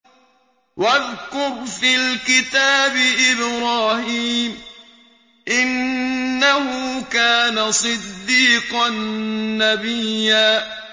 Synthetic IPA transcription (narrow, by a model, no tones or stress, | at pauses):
waðkʊɾfilkɪt̪aːbɪʔɪbɾaːhiːm | ʔɪnːahʊkaːnasˤɨd̪ːiːqɑnːabijːaː